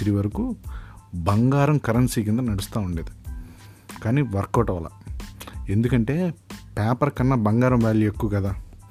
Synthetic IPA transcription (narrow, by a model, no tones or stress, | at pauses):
ɾiʋɐɾɐku | bɐŋɡaːɾɐmkɐɾɐnsiːk̬ind̪ɐnɐɽust̪aːuɳɖeːd̪i | kaːniːʋɐɾkːɔːʈɐʋɐlɐ̰ | e̞nd̪ukɐɳʈe̞ːpaːpɐɾkɐnːɐbɐŋɡaːɾɐmʋaːɭːiekːuʋɐkɐd̪aː